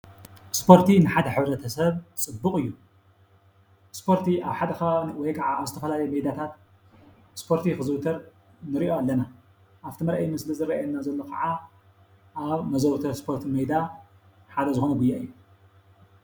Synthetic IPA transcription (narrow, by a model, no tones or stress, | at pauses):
spʰo̞ɾt̪ʰinɨħad̪ɐħɨβɾɐt̪ʰɐsɐβt͡sʼɨbːɨkʼɨjːu | spʰo̞ɾt̪ʰia̰βħad̪ɐkɐwɔjkʰɐʕaaβzɨt̪ʰɐfɐlalɐjmɐjd̪at̪ʰat̪ | spʰo̞ɾt̪ʰixɨzɾut̪ʰɐɾ | nɨɾiʔoalːɐna | ʔaβt̪ʰimɐɾʔɐjmɨslizɨrɾɐanːazɐlːo̞kʰɐʕa | ʔaβmɐzɐβt̪ʰɐspʰo̞ɾt̪ʰimɐjd̪a | ħad̪ɐzɨxo̞nɐɡujːaɨ̰jːu